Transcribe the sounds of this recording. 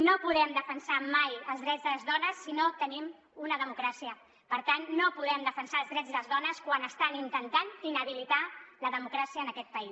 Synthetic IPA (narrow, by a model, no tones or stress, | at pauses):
nopuðɛmd̪əfənsamajəlˠzðɾɛd͡zðələzðɔnəsːinot̪ənim | unəðəmukɾasiə | pəɾt̪anːopuðɛmd̪əfənsaəlzðɾɛd͡zðəzðɔnəskwanəst̪anint̪ənt̪aninəβ̞ilit̪aləðəmukɾasiəːnəkɛt̪̚pəis